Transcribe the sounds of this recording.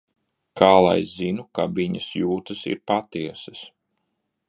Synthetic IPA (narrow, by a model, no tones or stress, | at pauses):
kaːlˠa̰jzinukaviɲɐsjuːt̪ɐsḭɾpat̪iɛsɐs